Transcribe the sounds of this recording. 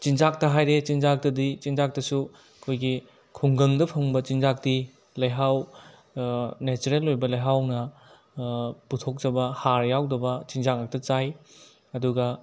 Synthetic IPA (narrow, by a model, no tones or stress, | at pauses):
t͡ʃinzak̚tɐɦajɾet͡ʃinzak̚tɐdit͡ʃinzak̚tɐsu | ɐkʰojɡi | kʰuŋɡɐŋdɐpʰɐŋbɐt͡ʃinzak̚ti | lɐjɦaw | net͡ʃuɾelːojbɐlɐjɦawnɐ | putʰok̚d͡ʒɐbɐhaɾjawdɐbɐt͡ʃinzaŋɐk̚tɐt͡ʃaj | ɐduɡɐ